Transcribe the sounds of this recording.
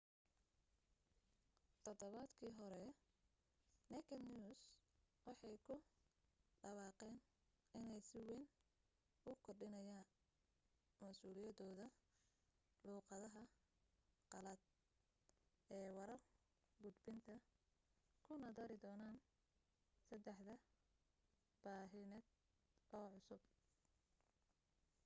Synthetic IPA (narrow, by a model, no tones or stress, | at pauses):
t̪ʰɔd̪ɔβaːd̪kʰiːɦɔɾɛ | nɛkʰɐniʊswɑħɑjkʰʊ | ɖɐwɑːqɛːn | ɪnɛjsɪwɛn | ʊkʰɔrɖɪnɐjaːn | mɐsuːlɪjɐdɔːðɐ | luːqɑðɐɦɐ | qɑlɐd̪̚ | ɛːwɑɾɐr | ɡʊd̪bɪnt̪ʰɐ | kʰʊnɐd̪ɐɾɪd̪ɔːnaːn | sɐd̪ɛħðɐ | b̥aːɦɪnɛːd̪ | ʔɔːʕʊsʊb̚